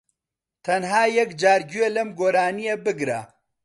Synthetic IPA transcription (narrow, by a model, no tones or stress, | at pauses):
t̪ʰɐnɦaːjɐkd͡ʒaːɾɟwelɐmɡoːɾaːnijebɨɡɾa̰